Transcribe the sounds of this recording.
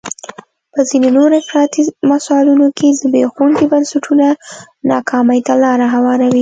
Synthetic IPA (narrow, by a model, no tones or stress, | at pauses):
pəzinenoɾɪfɾɑt̪imasɑlunokʰed̪əbexuɳɡibansaʈʰuna | nɑkʰɑmajt̪alɑɾaɦawɑɾawi